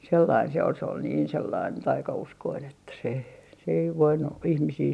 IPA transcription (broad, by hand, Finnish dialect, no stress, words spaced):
selːɑin se ol se ol niːn selːɑin tɑikɑuskoin etːæ se se ei ʋoinu ihmisiː